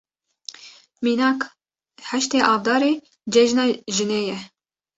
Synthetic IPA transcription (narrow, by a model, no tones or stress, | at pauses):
miːnɑːk | hæʃt̪eːʔɑːvd̪ɑːɾeː | d͡ʒɛʒnɑːʒɨneːjɛ